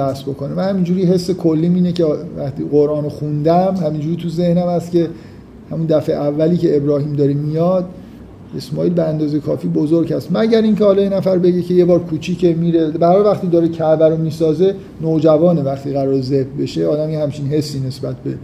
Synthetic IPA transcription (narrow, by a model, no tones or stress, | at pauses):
bæsbo̞ko̞nemæhæmind͡ʒuːɾiɦe̞sːe̞kʰolːiːmiːnecevæxt̪ḭɣoɾʔɒːnoxund̪æmhæmind͡ʒuɾit̪ʰuze̞hnæmhæst̪cʲe̞ | hæmund̪æfeʔævːæliːcʰeebɾɒːhiːmd̪ɒːɾemijɒd̪̥̚ | e̞smɒːiːlbæænd̪ɒːzejekʰɒːfiːbozoɾɟhæst̪mæɟæɾiːncʰehɒːlɒːjenæfæɾbe̞ɟecʰe̞je̞bɒːɾkʰuːt͡ʃʰiːcemiːɾebæɾhɒːlvæxt̪iːd̪ɒːɾecʰæbæɾomiːsɒːze̞ | nod͡ʒævɒːnevæχt̪iːɣæɾɒːɾezebbe̞ʃeɒːd̪æmjehæmt͡ʃʰinɦe̞sːiːne̞sbæt̪̚ʰbe̞